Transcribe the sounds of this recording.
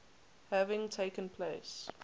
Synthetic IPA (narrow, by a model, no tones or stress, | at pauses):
hævɪ̃ŋtʰeɪkə̃npʰleɪs